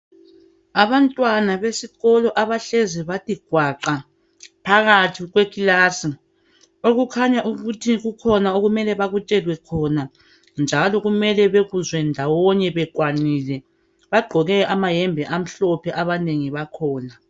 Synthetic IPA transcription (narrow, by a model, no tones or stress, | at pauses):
aβantʼwanaβesiɣɔlɔʔaβaɬeziβatʼiɡ̥ʱwaǃa | pʰaɣatʰiɣwekʼilasi | oɣukʰaɲaʔuɣutʰiɣukʰɔnaoɣumɛlɛβaɣut͡ʃʼɛlwɛkʰɔna | nd͡ʒʱalɔɣumɛlɛβeɣuzwɛndʱawɔɲɛβɛkwanilɛ | βaɡ͡ǃʱɔɣɛʔamajɛmbʱɛʔam̩ɬɔpʰɛʔaβaneŋiβakʰɔːna